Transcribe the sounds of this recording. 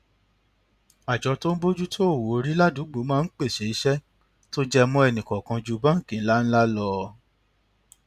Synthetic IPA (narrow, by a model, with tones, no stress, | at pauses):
a˨d͡ʒɔ˨˧˦to˦n̩˦bo˦d͡ʒu˦tʰo˦o˦˨wo˨˦ɾi˦la˦du˨˦ɡ͡bo˨˦mãː˦˧˦n̩˦k͡pe˦˨ʃe˨˦i˨˧ʃɛ˦ | to˦d͡ʒɛ˧mɔ̃˧˦ɛ˧nĩ˨kɔ˨kã˧d͡ʒu˧˦bã˦ŋ̩˦˨kĩ˨˦la˦n̩˦la˦lɔ˧